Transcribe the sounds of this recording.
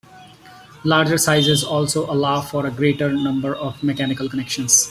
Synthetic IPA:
laːɾd͡ʒəɾsaɪzɪzɔːlsoːʔɐlaːfɔːɾəɡɾeːʈəɾnʌ̃mbəɾɔːfmekænɪkəlkənɛkʃə̃nz̥

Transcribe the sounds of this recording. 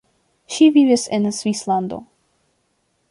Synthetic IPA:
ʃivivisẽnsvisland̪o̰

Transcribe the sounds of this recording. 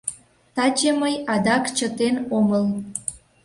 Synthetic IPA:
t̪ɑt͡ɕeməjɑd̪ɑkt͡ɕət̪enoməl

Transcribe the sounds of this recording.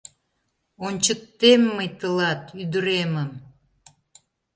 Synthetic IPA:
onʲt͡ɕək̚t̪emːəjt̪əlɑt̪yd̪əɾeməm

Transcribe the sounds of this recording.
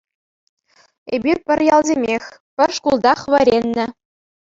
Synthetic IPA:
ebʲirpʲɘ̆rʲjɑlˠzʲemʲexʲpʲɘ̆rʂkulˠd̪ɑχʋɘɾʲenʲːɘ̆

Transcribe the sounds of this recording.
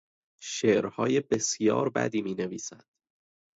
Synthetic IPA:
ʃeːʔɾhɒːjebe̞sjɒ̰ːɾbæ̰d̪iːmiːne̞viːsæd̪̥

